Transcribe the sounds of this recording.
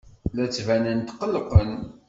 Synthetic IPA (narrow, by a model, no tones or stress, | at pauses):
læt͡sːvænənt̪qːəlqən